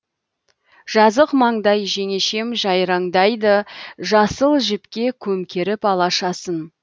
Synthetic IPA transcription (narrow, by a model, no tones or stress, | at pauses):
ʒ̥ɑzəqmɑɴd̪ɑjʒe̞ŋe̞ʃe̞mʒɑjɾɑɴd̪ɑjd̪əʒɑsəlˠʒɪpkʲe̞kʲʰɵmkʲʰe̞ɾɪpɑlˠɑʃɑsən